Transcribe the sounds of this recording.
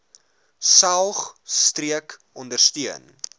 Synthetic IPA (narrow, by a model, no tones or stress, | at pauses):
sɐlˠχstriək | ɔndərstyən